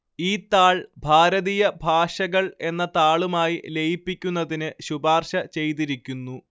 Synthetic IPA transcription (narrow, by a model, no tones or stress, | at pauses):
iːt̪ːaːɭbʱaːɾɐðijɐbʱaːʂɐɣɐɭe̞nːɐt̪aːɭumaːjile̞jipːikʲːunːɐðinɨɕubaːrʂɐt͡ɕe̞jt̪iɾikʲːunːu